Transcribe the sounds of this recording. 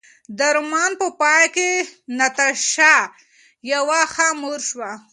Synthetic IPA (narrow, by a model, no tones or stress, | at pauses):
d̪əɾmɑnpəpɑjkenat̪aʃa | jawaxamuɾʃwa